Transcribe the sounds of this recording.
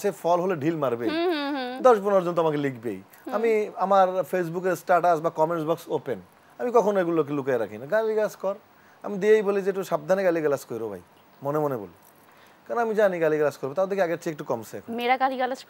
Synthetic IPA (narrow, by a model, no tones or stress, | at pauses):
ʃefʰɔlɦoloɖʱilmaɾbejd̪ɔʃpunoɾd͡ʑont̪oamakelikbḛj | amiamaɾfʰes̬buk̬eɾsʈaɾʈasbakɔmeɳʈsbɔksopen | amikɔkʰonoeɡulok̬elukaeɾakʰijnaɡaliɡlaskɔɾ | a̰mid̪iejbolid͡ʑeʈ̬uʃab̚d̪ʱaneɡaliɡalaskoɾiɾobʱa̰j | monemonebo̰li | kaɾnamid͡ʑaniɡaliɡlaskoɾbot̪aɦod̪ekʰiaɡeɾt͡ɕiek̚ʈukɔmseɛ̰kʰonmeɾaɡaliɡalas